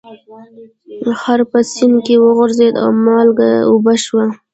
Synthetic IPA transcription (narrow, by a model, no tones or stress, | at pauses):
xaɾpəsinkewəɣʊɾzed̪a̰wmɑlɡa̰ubaʃwa